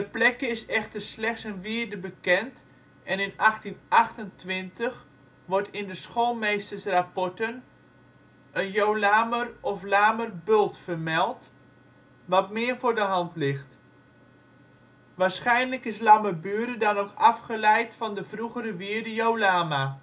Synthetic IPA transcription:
dəplɛkəɪsɛχtərslɛχtsənʋiəɹdəbəkɛnt | ʔɛnɪnɑχtinʔɑχtəntʋɪntəχ | ʋɔɹtɪndəsχoːlˠmejstərsrapɔɹtən | ənjowlaːmərɔflaːmərbølˠtfərmɛlˠt | ʋɑtmɪːərvʊːɹdəɦɑntlɪxt | ʋaːɹsχɛjnləkɪslaməbyəɾədɑnokɑfχəlɛjtfɑndəv̥ruɣəɾəʋiəɹdəjowlaːma

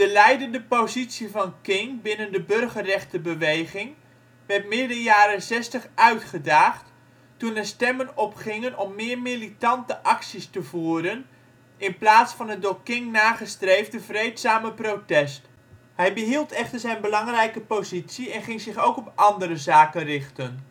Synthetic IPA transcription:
d̥əlɛjdəndəpozitsivɑnkɪŋbɪnəndəbɵrχəːɛχtəbəʋejχɪŋ | ʋɛɹtmɪdədəjaːɾənsɛstəχʔœɥtχədaːχt | tunəstɛmənɔpχɪŋənɔmːɪːɹmilitɑntəʔɑksistəvuːɾən | ʔɪnplaːtsfɑnədoːkɪŋnaːχəstrejvdəvrejtsaːməprotɛst | hɛjbəɦilˠtɛχtəɹzɛjnbəlɑŋrɛjkəpowzitsiɛnχɪŋzɪχowkɔpʔɑndəɾəzaːkənrɪχtən

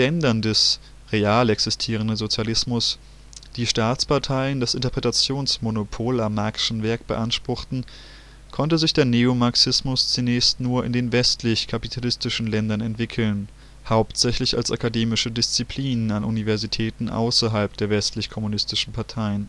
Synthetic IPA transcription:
ɛndɐndɛs | ʁeaːlɛksɪstʰiːʁ̞əndəzot͡sjalɪsmʊs | d̥iːʃtaːt͡spʰaɐtʰaɪəndasʔɪntɐpʁɛtat͡sjoːnsmonopʰoːlamːakʃn̩vɛɐk̚b̥əʔanʃpʁ̥ʊxtn̩ | kʰɔntəzɪçd̥eːɐneːomaɐksɪsmʊst͡sunɛːçstnuːɐʔɪ̰ndeːnvɛstlɪçkʰapitʰalɪstɪʃn̩lɛndɐnɛntv̥ɪkʰl̩n | haʊptz̥ɛçlɪça̰lsakadeːmɪʃədɪst͡sipʰl̥iːnənanʔṵnivɛɐzitʰɛːtn̩ʔa̰ʊsɐɦalpd̥eːɐvɛstlɪçkʰɔmunɪstɪʃn̩pʰaɐtʰaɪən

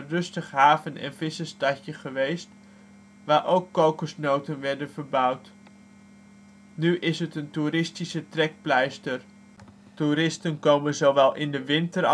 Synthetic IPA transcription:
rɵstəχɦaːvənɛ̰nvɪsəstɑcəχəʋejst | ʋaːɹʔowkːowkəsnowtənʋɛɹdənvəɹbʌwt | nyʔɪsɦətəntuɾɪstisətrɛk̚plɛjstəɹ | tuɾɪstənkowmənzowʋɛlˠʔɪndəʋɪntəɾ

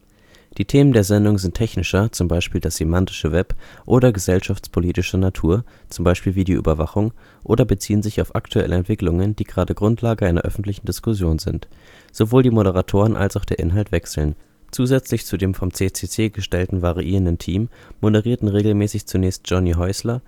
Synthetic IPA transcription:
d̥iːtʰeːməndeːɐzɛndʊŋzɪntʰɛçnɪʃɐt͡sʊmbaɪʃpiːldasz̥emantɪ̥ʃəvɛpʔoːɾɐɡəzɛlʃaft͡spʰoliːtɪʃənatʰuːɐt͡sʊmbaɪʃpiːlviːdiːʔy̰ːbɐvaχʊŋ | ʔoːdɐbət͡siːənzɪçaʊfʔa̰ktʰuɛ̰lʔəɛntv̥ɪklʊŋənd̥iːɡ̥ʁaːdəɡʁʊntʰlaːɡəʔaɪnɐ̰ʔœ̰fn̩tlɪçn̩dɪskʊsjoːnzɪ̰nt | z̥ovoːldiːmoɾəʁ̞atʰoːʁənʔa̰lsaʊxd̥eːɐʔɪ̰nɦaltv̥ɛksl̩n | t͡suːzɛt͡slɪçt͡sudeːmfɔmt͡seːt͡seːt͡seːɡəʃtɛltn̩vaʁiʔiːʁəndəntʰiːmːodəʁiːɐtn̩ʁeːɡl̩mɛːsɪçt͡sunɛːçst̚ʒ̥ɔniɦɔʏslɐ

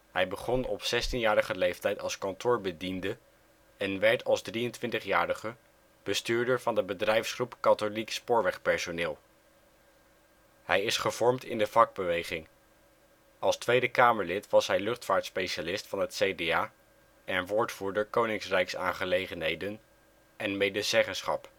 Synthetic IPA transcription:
ɦɛjbəχɔnɔ̰psɛstinjaːɹəχəlejftɛjtɑlˠskɑntʊːɹbədində | ɛnʋɛɹtʰɑlˠzdriəntʋɪntəχjaːɾəχə | b̥əstyːɹdəɹvɑndəbədrɛjfsχrupkɑtolikspʊːɹʋɛχpɛɹsonɪːlˠ | hɛjɪsχəv̥ɔɹmtɪ̰ndəvɑɡ̚bəʋejχɪŋ | ɑlˠstʋejdəkaːməɹlɪtʋɑsɦɛjlɵχtfaːɹtspejʃalɪstfɑnɦətsejdeaː | ʔɛnʋʊːɹtfuːɹdəɹkownɪŋsrɛjksaːnχəlejχənɦejdən | ʔɛnmejdəzɛχənsχɑ̰p

